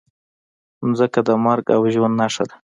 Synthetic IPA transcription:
zəkad̪əmaɾɡa̰wʒwand̪naʂəl

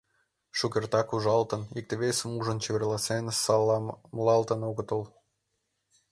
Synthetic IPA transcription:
ʃukʲert̪ɑkuʒɑlt̪ə̆nik̚t̪eβesəmuʒə̆nt͡ɕeβʲerlˠɑsensɑlɑmlɑlt̪ə̆noɣə̆t̪əlˠ

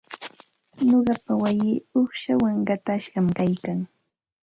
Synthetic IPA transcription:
noɢɑpawajɪːoχʃawaŋɢɑt̪aʃɢɑmkajkaŋ

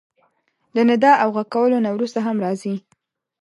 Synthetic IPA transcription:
lənɪd̪ɑʔawɣakːawəlonawɾust̪aɦamɾɑzi

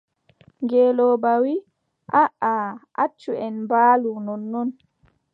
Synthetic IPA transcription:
ŋɡɛːlɔbawi | ʔaʔaʔat͡ʃːuɛnmbaːlunɔnːɔn

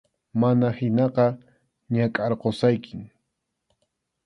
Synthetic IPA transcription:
manahɪnɑqɑ | ɲakʼɑɾqosajkʰɪŋ

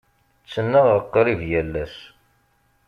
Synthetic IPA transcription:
t͡sːənːəʁəqːɾivjælːæs

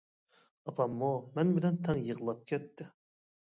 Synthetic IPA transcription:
ɑpʰɑmːumɛnbɪlɛnt̪ʰɑŋjəʁlˠɑp̚kʲʰɛt̪ʰːɪ

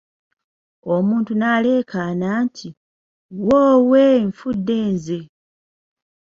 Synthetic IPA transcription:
o̞muːntunaːle̞ːkʰanaːntʰi | woːweɱfudːeːnze

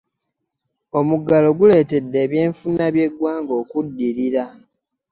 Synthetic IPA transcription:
o̞muɡalo̞ɡule̞ːte̞dːe̞ːβje̞ːɱfunːaβje̞ɡwaːŋɡo̞ːkudːiɾiɾa

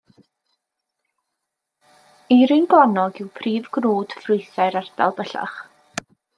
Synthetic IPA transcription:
iɾɨnɡlˠanɔɡɪwpʰriːvɡnuːd̥frʊɨθaɨɾard̥a̰lˠbəɬa̰χ

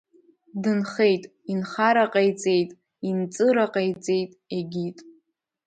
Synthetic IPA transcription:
dɨnχe̞jtʼ | inχaɾaqʼejt͡sʼe̞jtʼ | int͡sʼɨɾaqʼejt͡sʼe̞jtʼeɡʲitʼ

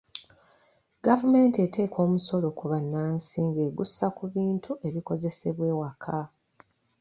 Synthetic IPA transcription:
ɡavume̞ntiete̞ːkʰo̞ːmuso̞lo̞kuβanːaːnsiːŋɡe̞ːɡusːakuβiːntʰuʔe̞βiko̞ze̞se̞βwe̞ːwakʰa

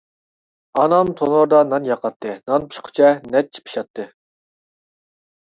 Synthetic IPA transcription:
ɑnɑmt̪ʰonoɾd̪ɑnɑnjɑqʰɑt̪ʰːɨnɑnpʰi̥ʃqʰʊ̥t͡ʃʰɛnɛt̪̚t͡ʃʰi̥pʰi̥ʃɑt̪ʰːɨ

